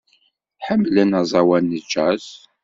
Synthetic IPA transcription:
ħəmːlænɑzˤɑwænːət͡ʃːæz

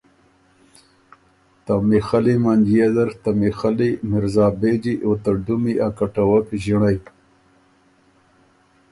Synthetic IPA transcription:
t̪amixalimand͡ʒied̪ɐɾt̪amixalimɪɾzɑːbed͡ʒiʔot̪aɖumiʔakaʈawakiʒiɳaj

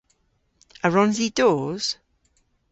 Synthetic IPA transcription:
əɹɔnzidoːz̥

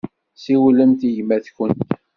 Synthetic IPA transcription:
siwlənt̪iʝmæθçənt̪

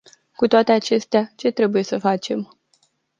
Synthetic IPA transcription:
kut̪oat̪e̞at͡ʃe̞st̪eat͡ʃe̞t̪ɾe̞buje̞səfat͡ʃe̞m

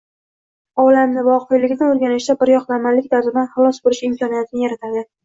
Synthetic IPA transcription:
ɒlamnɪvɒqʰɨjlɪɡʲɪnaoɾɡʲanɪʃd̪abɪɾjɒqlamalːɪk̚ʲd̪azɪd̪anχɨlˠɒsbolɪʃɪmkʰɒnijat̪ʰɪnɪjaɾat̪ʰad̪ɪ

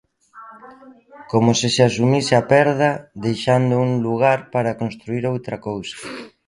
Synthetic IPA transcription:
komosɪseasumisɪapɛɾðɐd̪ejʃand̪ʊuŋluɣaɾpaɾakonst̪ɾuiɾowt̪ɾakowsḁ

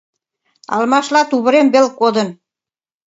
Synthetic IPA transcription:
ɑ̰lmɑʃlɑt̪uβə̆ɾembelkod̪ə̆n

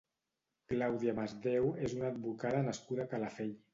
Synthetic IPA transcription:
klawðiamazðewezunaːd̪̚βukaðənəskuðakalafɛʎ

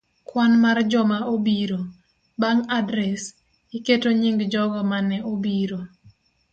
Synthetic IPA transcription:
kwanmard͡ʒɔmaobiɾo | baŋadɾɛs | iketoɲiŋɡd͡ʒɔɡɔmanɛobiɾo

